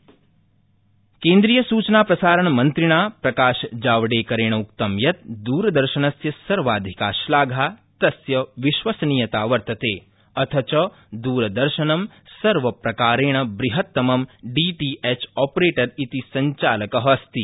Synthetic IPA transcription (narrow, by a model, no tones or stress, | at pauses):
kẽːnd̪ɾijɐsuːt͡ʃnaːpɾɐsaːɾɐɳmɐnt̪ɾiɳ̃aːpɾɐkaːʃd͡ʒaːʋɖeːkɐɾeːɳ̃ɐukt̪ɐmjɐt̪̚d̪uːɾɐd̪ɐɾʃɐɳɐsjɐsɐɾʋaːd̪ʱikaːʃlaːɡʱaːt̪ɐsjɐʋiʃʋɐsniːjɐt̪aːʋɐɾt̪ɐt̪eː | ɐt̪ʰɐt͡ʃɐ | d̪uːɾɐd̪ɐɾʃɐnɐm | sɐɾʋɐpɾɐkaːɾeːɳ̃ɐbɾiɦɐt̪ːɐmɐmɖiːʈiːʔet͡ʃɔːpɾeːʈɐɾit̪isɐɲt͡ʃaːlɐkɐɦɐst̪i